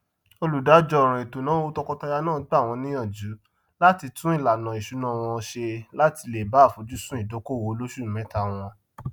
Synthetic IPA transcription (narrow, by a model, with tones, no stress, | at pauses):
o˧lu˨da˨˦d͡ʒɔ˧˨ɾ̃ã˨i˨to˨nã˨˦o˦tɔ˧kɔ˧ta˧ja˧nãː˦˨ɡ͡ba˦˨w̃ɔ̃˧nĩ˦j̃ã˦˨d͡ʒu˨˦ | la˦ti˧tũ˦i˦˨la˨nã˨i˨ʃu˨˦nã˦˨w̃ɔ̃˧ʃe˧la˦ti˧le˨ba˨˦˨fo˨d͡ʒu˨˦sũ˦i˦˨do˨˦ko˦˨wo˨˦lo˦ʃu˦˨m̩˨mɛ̃˨˦ta˦˨w̃ɔ̃˧